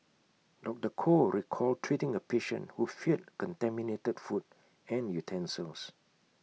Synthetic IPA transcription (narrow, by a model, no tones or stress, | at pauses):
dɔk̚təkʰoɹikʰɔltʰɹitĩŋəpeʃə̰̃nhufit̚kɔ̃ntɛ̃minetədfut̚ | ɛ̃njutʰɛ̃nsəls